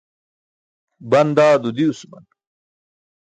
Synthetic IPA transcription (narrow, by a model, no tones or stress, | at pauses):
bɐnd̪aːd̪ud̪iusumɐ̰n